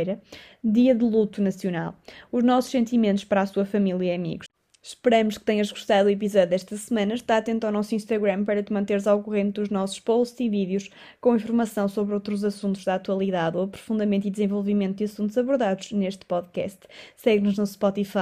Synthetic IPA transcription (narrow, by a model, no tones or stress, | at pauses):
jɾɐðiɐðɨlˠut̪unɐsjuna̰lˠuʒnɔsu̥ʃsẽnt̪imẽnt̪u̥ʃpɐɾasuɐfɐmilˠjɐɐmḭɣuʃ | ʃpɨɾɐmʊʃkɨ̥t̪eɲɐʒɣuʃt̪aðuipizɔðjuðɛʃt̪ɐsɨmɐ̃nɐʃt̪aɾɐt̪ẽnt̪awnɔsuĩʃt̪ɐɣɾɐ̃mpɐɾɐt̪ɨmɐ̃nt̪eɾzawkuʁẽnt̪ðuʒnɔsu̥ʃpowst̪ziviðjuʃ | kõĩfuɾmɐsɐ̃w̃soβɾowt̪ɾuzɐsũnt̪uʒðat̪wɐlˠiðaðoɐpɾu̥fũnd̪ɐmẽnt̪uiðzẽvɔlˠvimẽnt̪uðiɐsũnt̪uzɐβuɾðaðuʃneʃt̪pɔðkɛ̰st̪sɛɣnuʒnuspɔt̪ifa